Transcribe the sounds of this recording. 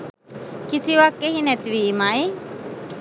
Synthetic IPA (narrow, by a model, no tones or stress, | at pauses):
kɪsiʋakːeɦinɛt̪ʋimae